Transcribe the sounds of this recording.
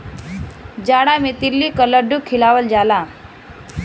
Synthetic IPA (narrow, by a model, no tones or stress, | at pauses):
d͡ʒaɽamet̪ilːikələɖukʰilaʋəld͡ʒala